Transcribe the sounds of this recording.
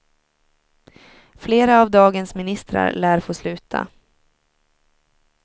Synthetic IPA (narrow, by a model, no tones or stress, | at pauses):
fleːɾaːvd̪ɑːɡənsmɪnɪst̪ɾa̰ɾlæːɾfoːslʉ̟ːt̪ʰa̰